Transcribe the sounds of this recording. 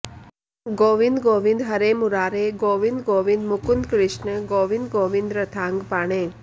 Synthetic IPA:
ɡoːʋind̪ɡoʋĩnd̪ɦəɾemʊɾaːɾeɡoːʋind̪ɡoːʋĩnd̪mʊkunkɾɪʃnəɡoːʋind̪ɡoːʋind̪ɾət̪ʰaŋɡpaɳ̃e

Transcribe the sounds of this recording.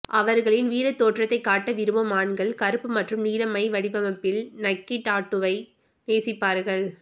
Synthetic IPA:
ʔɐʋɐɾɣɐɭɪnʋiːɾɐt̪ːoːʈrɐt̪ːɐɪkːaːʈːɐʋɪɾɯmɐmaːɳɡɐɭkɐɾɯpːɯmɐʈrɯmniːlɐmɐɪʋɐɽɪbɐmɐpːɪlnɐkːɪʈːaːʈːɯʋɐɪ | neːsɪpːaːɾɣɐɭ

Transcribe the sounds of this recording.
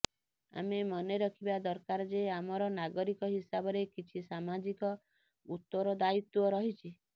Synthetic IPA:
a̰memɔneɾɔkʰibad̪ɔɾkaɾɔd͡ʒeamɔɾɔnaɡɔɾikɔɦisabɔɾekit͡ʃʰisamad͡ʒikɔ | ut̪ːɔɾɔd̪ait̪wɔɾɔɦit͡ʃʰi

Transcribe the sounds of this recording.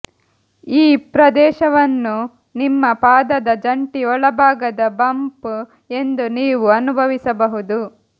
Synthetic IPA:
iːpɾɐd̪ɛːʃɐʋɐnːu | nimːɐpaːd̪ɐd̪ɐd͡ʒɐɳʈiɔɭɐbʱaːɡɐd̪ɐbɐmp | e̞nd̪uniːʋuɐnubʱɐʋisɐbɐɦud̪u

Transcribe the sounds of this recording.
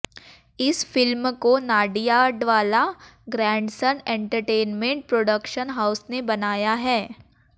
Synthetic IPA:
ɪsfɪlmkonaːɖijaːɖʋaːlaɡɾɛ̃ːɳɖsənẽːɳʈəɾʈeːnmẽɳʈ̚pɾoːɖəkʃənɦaːʊsnebɐnaːjaɦɛː

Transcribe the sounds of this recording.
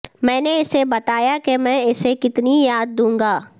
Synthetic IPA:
mɛ̃ːneɪsebɐt̪aːjakemɛ̃ːɪsekɪt̪nijaːd̪ːũːŋɡaː

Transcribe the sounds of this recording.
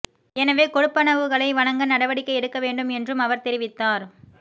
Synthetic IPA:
ɛnɐʋeːkɔɽɯpːɐnɐʋɯɣɐɭɐɪʋɐɭɐŋɡɐnɐɽɐʋɐɽɪkːɐɪɛɽɯkːɐʋeːɳɖɯmɛndrɯmɐʋɐɾt̪ɛɾɪʋɪt̪ːaːɾ

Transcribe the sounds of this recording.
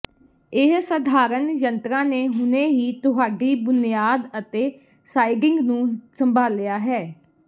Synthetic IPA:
ɪɦsəd̪ʱaːɾənjənt̪ɾãːneːɦʊneːɦiːt̪ʊɦaːɖiːbʊnɪjaːd̪ət̪eː | saːɪɖɪ̃ŋɡnũːsəmbʱaːljaːɦɛː

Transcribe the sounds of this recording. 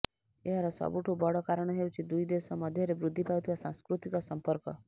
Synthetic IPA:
eɦaɾɔsɔ̰buʈʰubɔɽɔkaɾəɽ̃ɔɦewt͡ʃʰid̪ujd̪esɔmɔd̪ʱjɔɾebɾud̪ʱːipajt̪ʰiʋasãskɾut̪ikɔsɔmpəɾkɔ

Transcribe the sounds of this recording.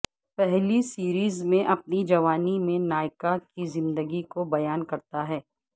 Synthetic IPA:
pɛɦlisiːɾiːzmẽʔɐp̚nid͡ʒɐʋaːnimẽnaːɪkakizɪ̃nd̪əɡikobɐjaːnkɐɾt̪aɦɛː

